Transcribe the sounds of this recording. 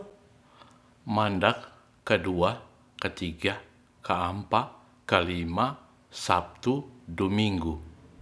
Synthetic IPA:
mandakː | ədua | kət̪iɡa | kəːmpa | kəlima | sap̚t̪udomiŋɡu

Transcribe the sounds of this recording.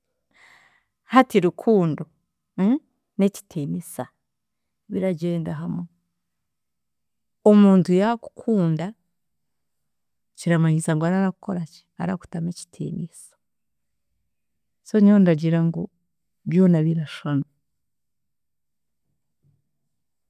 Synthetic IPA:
hatiɾukʰuːndo | neci̥tʰeːmisa | βiɾaɟe̞ːŋɡaɦame | omuːntujaku̥kʰuːnda | ciɾamaɲisaŋɡoaɾaɾakukoɾaci̥a̰ɾa̰ku̥tameci̥tʰḛːmisḁ | soɲondaɟiɾaŋɡo | βjo̞ːnaβiɾaʃano

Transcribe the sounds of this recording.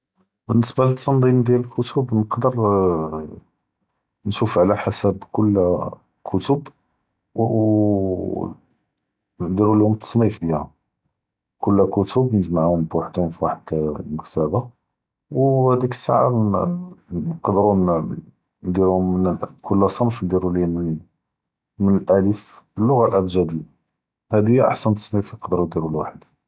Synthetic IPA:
bənːəsbælət̪ːɑnd̪ˤimd̪jæləlkʰʊt̪ʰʊbnəqd̪əɾˤ | nʃufʕlæħasæbkʊlː | kʰʊt̪ʊb | d̪iɾulhʊmət̪ʰːɑ̥sˤnifd̪jæhæ | kʊlːkʊt̪ʊbnəʒmaʕhʊmbaħd̪hʊmfiwaħəd̪məkt̪æba | whæd̪ikə̥sːa̰ʕaɾ | qd̪ɾun | d̪iɾhʊmːənkʰʊlːæsˤɑnfnd̪iɾuli | mənəlʔælifəlːʊɣalʔæbʒæd̪ə | hæd̪əjːaʔa̰ħsænt̪ːɑ̥sˤnifjqd̪ɾud̪iɾulwaħəd̪

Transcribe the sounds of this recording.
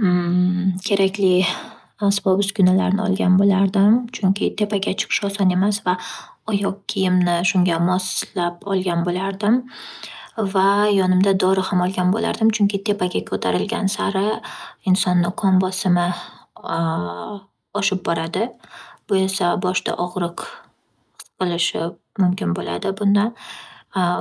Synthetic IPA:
kʲʰe̞ɾakʲlɪ | asbɒbɪsɡʲʊnalaɾnɪ̰ɒ̰lˠɡʲanbolaɾd̪ɪmt͡ʃʰʊŋkʲɪt̪ʰe̞paɡʲat͡ʃʰɨ̥qʰɨ̥ʃɒsɒne̞masvaɒjɒq̚kʲʰijɪmnɪʃʊŋɡʲamɒslapɒ̰lˠɡʲanbolaɾd̪ɪm | vajɒnɪmd̪ad̪ɒɾɪhamɒlˠɡʲanbo̰la̰ɾd̪ɪmt͡ʃʰʊŋkʲɪt̪ʰe̞paɡʲakʰɵt̪ʰaɾɪlɡʲansaɾɪɪnsɒnːɪqʰɒmbɒsɪmɪ | ɒʃɪp̚bɒɾad̪ɪb̥ʊe̞sabɒʃt̪ʰa̰ʔɒʁɾɨq | qɨlˠɪʃɪ | mʊmkʲɪnbola̰d̪ɪbʊnd̪an

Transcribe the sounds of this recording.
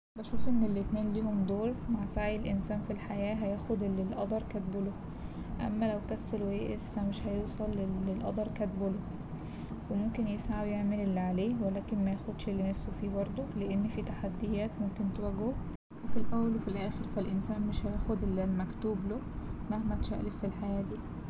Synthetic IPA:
bæʃuːfʔenːelːet̪neːnliːhomd̪oːɾˤmaʕsaʕjelʔensæːnfilħajæːɦæjæːxod̪elːelʔɑd̪ˤɑɾˤkæt̪̚bolo | ʔæ̰mːælæwkæsːelwjeːʔesfæmeʃhæjuːsˤɑlːelːelʔɑ̰d̪ˤɑɾˤkæt̪bolo | wemomkenjesʕawjeʕmelelːiʕaleːwelæːkenmæjæxod̪ʃelːenæfsofiːbɑɾˤd̪ˤoleʔenːfiːt̪aħad̪ːejæːt̪momkent̪owæɡo | wefilʔæwːælwefilʔæːxeɾfælʔensæːnmeʃhæjæːxod̪elːelmækt̪uːbloːmæhmæt̪ʃæ̰ʔleffilħajæːd̪iː

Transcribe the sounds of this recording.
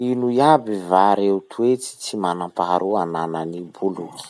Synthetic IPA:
inujabivaɾeut̪ʰuet͡si̥t͡simanampaɦaɾuanananibuluki̥

